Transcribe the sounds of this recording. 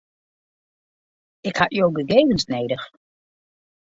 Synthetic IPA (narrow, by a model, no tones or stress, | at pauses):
ɪkhatjowɡəɡejvənsnejdəx